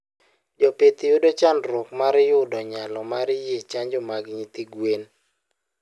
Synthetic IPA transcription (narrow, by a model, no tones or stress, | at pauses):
d͡ʒɔpet̪ɪjodot͡ʃanɾɔkmaɾɪjʊdɔɲalɔmaɾɪjet͡ʃaɲd͡ʒomaɡɪɲit̪iɡwen